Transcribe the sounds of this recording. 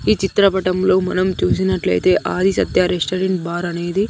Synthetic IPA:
iːt͡ʃit̪ɾɐpɐʈɐmlo̞ːmɐ̰nɐmt͡ʃuːsinɐʈlɐ̰jt̪e̞ːʔaːd̪ʱisɐt̪jɐːɾesʈɐɾeɳʈbaːɾɐne̞ːd̪i

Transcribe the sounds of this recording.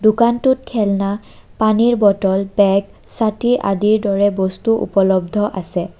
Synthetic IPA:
dukantut̚kʰɛlna | paniɹbɔtɔlbɛɡ | satiɹʔa̰diɹdɔɹɛbɔstuʔṵpɔlɔbdʱɔʔasɛ

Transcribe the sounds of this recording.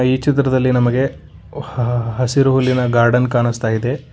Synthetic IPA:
iːt͡ʃit̪ɾɐd̪ɐlːinɐmɐɡe̞ | ɦɐsiɾuɦulːinɐɡaːɾɖɐnkaːɳust̪aːjid̪e̞

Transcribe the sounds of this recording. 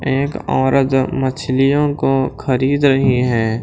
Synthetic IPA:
eːkɔ̰ːɾəd̪mət͡ʃʰlijõkoxʰɐɾiːd̪ɾɐɦiɦɛ̃ː

